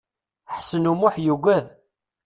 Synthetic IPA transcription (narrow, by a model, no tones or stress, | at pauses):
ħsənumʊħjuɡʷæð